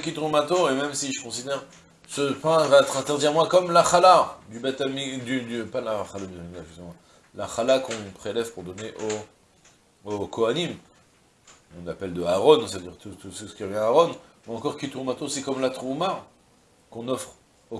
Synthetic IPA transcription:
əkit̪ʁumat̪oemɛmsiʒəkɔ̃sid̪ɛʁ | səpɛ̃vat̪χɛ̃t̪ɛʁd̪iʁmwakɔmlaχalad̪ybat̪amid̪yd̪ypalaχalabimiɡaʒsemwã | laχalakɔ̃pχelɛvpuʁd̪ɔneʔo | okɔanim | ɔ̃napɛld̪əaʁɔnst̪avd̪iʁt̪ut̪ususə̥kʲiʁəvjɛ̃aːʁɔnmɛɑ̃kɔʁkit̪ʁumat̪osɛkɔmlat̪χuma | kɔ̃nɔfχ | o

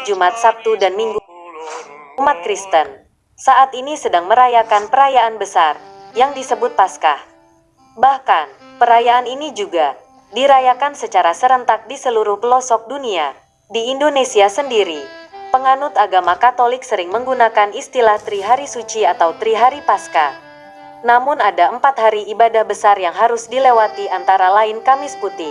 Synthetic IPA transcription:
d͡ʒumat̪̚sap̚t̪udanmiŋɡu | umat̪̚kɾist̪ən | saʔat̪inisədaŋməɾajakanpəɾajaanbəsarjaŋdisəbʊt̪̚paska | bahkan | pəɾajaaninid͡ʒuɡa | diɾajakansət͡ʃaɾasəɾənt̪ak̚disəluɾʊhpəlɔsɔk̚dunia | diːndonesiasəndiɾipəŋanʊt̪aɡamakat̪olɪksəɾɪŋməŋɡunakanist̪ilaht̪ɾiɦaɾisut͡ʃiat̪awt̪ɾiɦaɾipaska | namʊnadaəmpat̪̚haɾiibadahbəsarjaŋɦaɾʊsdilewat̪iant̪aɾalaɪnkamɪsput̪ɪh

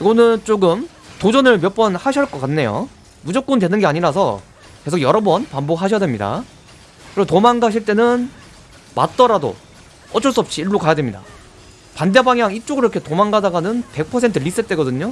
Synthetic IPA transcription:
iɡʌnɯnt͡ɕ͈oɡɯm | tod͡ʑʌnɯɭmjʌp͈ʌnhaɕʰʌɭk͈ʌk͈anːe̞jo̰ | mud͡ʑʌk̚k͈undwenɯnɡe̞aɲiɾas̬ʰʌ | ke̞sʰoɡjʌɾʌbʌnpambok̚haɕʰʌdwemɲida̰ | kɯɾesotomaŋɡaɕ̬ʰiɭt͈e̞nɯn | ma̰t̚t͈ʌɾado̰ | ʌt͡ɕ͈ʰʌɭs͈uʌp̚ɕ͈iiɭːokajadwemɲida̰ | pande̞baŋjaŋit͡ɕ͈oɡɯɾiɾʌkʰetomanɡadaɡanɯnpe̞k̚pʰʌsʰe̞ntʰɯʎis͈et͈e̞ɡʌdɯɲo

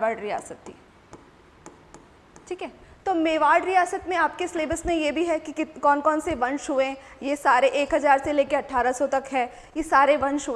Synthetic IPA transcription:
aːɖɾija̰ːsət̪ːi | ʈʰiːkɦɛːt̪oːmeːʋaːɖɾijaːsət̪mẽaːp̚kesleːbəsmẽjebʱiɦɛkikɔːnkɔːnseʋɐ̃nʃɦuẽjesaːɾeʔeːkɦɐzaːɾseleːkeɐʈʰaːɾasɔt̪ɐkɦɛː | jesaːɾeʋɐ̃nʃɦʊe

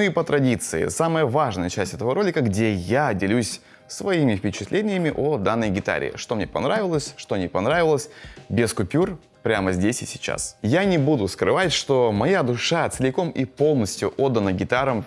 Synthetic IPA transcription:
nuipət̪ɾɐdʲit̪sɨɪ̰saməjəvaʐnəjət͡ɕæsʲtʲɛt̪əvəɾo̞lʲɪkəɡdʲejadʲɪlʲusʲ | svɐimʲɪfpʲɪt͡ɕɪt̪lʲenʲɪjəmʲɪʔod̪anːəjɡʲɪt̪a̰ɾʲɪ̰ɪ̰ʂt̪omnʲepɐ̰nɾavʲɪlˠəsʲʂt̪o̞nʲepɐnɾavʲɪlˠəsʲbʲɪskʊpʲur | pɾʲaməzʲdʲesʲɪsʲɪ̥t͡ɕa̰sjanʲɪbud̪ʊskɾɨvatʲʂt̪o̞mɐjad̪ʊʂat̪səlʲɪko̞mipo̞lˠnəsʲtʲjʊʔo̞d̪ːənəɡʲɪt̪aɾəm

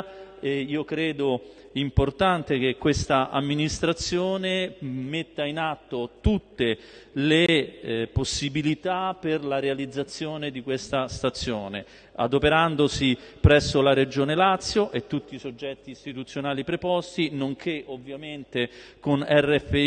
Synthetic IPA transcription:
eiːokɾɛːd̪o | import̪ant̪ek̟ekːwest̪aʔa̰mːinist̪ɾat̪sːjoːnemet̪ːainat̪ːot̪ut̪ːe | leposːibilit̪aperlaɾealid̪zːat̪sːjoːned̪ikwest̪ast̪at̪sːjoːnḛ | a̰d̪opeɾand̪osipɾɛsːolaɾed͡ʒoːnelat̪sːjoʔet̪ːut̪ːisod͡ʒːɛt̪ːiːst̪it̪ut̪sːjonaːlipɾepɔst̪inoŋkʰeʔovːjament̪ekonɛrːɛfe

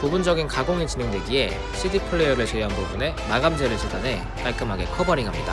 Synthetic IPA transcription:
pobund͡ʑʌɡinkaɡoŋit͡ɕine̞ŋde̞ɡie̞̰ | ɕʰidipʰɯɭːejʌɾɯɭt͡ɕʰeɦanbobune̞maɡamd͡ʑeɾɯɭɕ͈ʰid͡ʑane̞ | k͈aɭk͈ɯmɦaɡe̞̰kʰʌbʌɾiɡɦamɲḭda̰

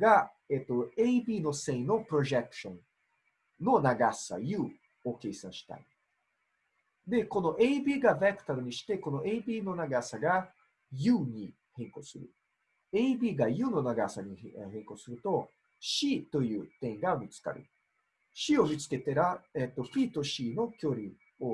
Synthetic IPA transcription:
ɡa | et̪ːo̞eibʲiːno̞sẽ̞ĩno̞pɯɾo̞ʑekɯ̥ɕõ̞n | no̞naɡasa̰jɯ̟ː | okeːsã̰ɰ̃ɕi̥t̪a̰i | d̪e̞ko̞no̞ʔeibiːɡavekɯ̟̥t̪aɾɯɲ̟iɕi̥t̪e̞ko̞no̞ʔeibʲiːno̞naɡasaɡa | jɯːɲ̟i | hẽ̞ŋko̞sɨɾɯ̟̰ | eibʲiːɡajɯ̟ːno̞naɡasaɲ̟iɦẽ̞ŋko̞sɨɾɯ̟t̪o̞ | ɕit̪o̞jɯ̟ːt̪ẽ̞ŋɡamʲit͡sɨ̥ka̰ɾɯ̟̰ | ɕio̞mʲit͡sɨ̥ke̞t̪eɾaet̪ːo̞pʲiːt̪o̞ɕino̞kʲo̞ɾʲi | o

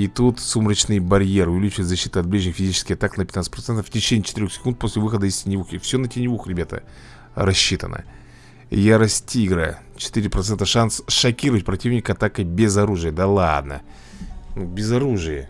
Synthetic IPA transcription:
it̪ut̪sumɾət͡ɕnɨjbɐɾʲjeɾɨʊvʲɪlʲit͡ɕʊvɪt̪zɐɕːit̪ɨɐt̪̚blʲiʐnʲɪxfʲɪzʲit͡ɕɪ̥skʲɪɐt̪aknəpʲt̪nasə̥pɾɐt̪sɛnt̪əftʲɪt͡ɕenʲɪːjt͡ɕɪ̥t̪ɨɾʲo̞xsʲɪ̥kunt̪̚posʲlʲɪvɨxəd̪əɪsʲtʲɪnʲɪvuxɪfsʲonətʲɪnʲɪvuxɾʲɪbʲat̪ə̰ | ɾɐɕːit̪ə̰nʔə̰ | jaɾɐsʲtʲiɡɾa̰ | t͡ɕɪ̥t̪ɨɾʲɪpɾɐt̪sɛnt̪əʂansʂɐkʲiɾəvətʲpɾɐtʲivnʲɪkəɐt̪akəbʲɪzɐɾuʐɨjəd̪alˠa̰d̪nə̰ | nubʲɪzɐɾuʐɨjə

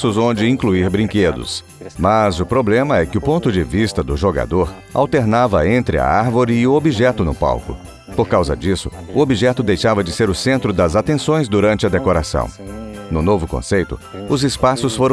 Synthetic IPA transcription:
sʊzõnd͡ʒɪĩkluiɾbɾĩŋked̪ʊ̰s | mɐzʊpɾoblẽmɐɛkɪʊpõnt̪ʊd͡ʒɪvist̪ɐd̪ʊʒoɡa̰d̪oɾ | a̰wt̪eɾnavɐẽnt̪ɾɪɐ̰aɾvoɾɪːʊobiʒɛt̪ʊnʊpa̰wkʊ̰ | poɾkawzɐ̰d͡ʒisʊʊobiʒɛt̪ʊd̪ejʃavɐd͡ʒɪseɾʊsẽnt̪ɾʊd̪ɐzat̪ẽsõj̃zd̪uɾɐ̃nt͡ʃɪɐd̪ekoɾasɐ̰̃w̃nʊnovʊkõ̰sejt̪ʊʊzɪspasʊsfoɾɐ̃

